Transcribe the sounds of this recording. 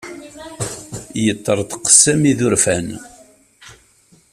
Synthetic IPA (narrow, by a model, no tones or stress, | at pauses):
jət̪ˤːəɾˤt̪qə̥sːæmiðʊɾfæn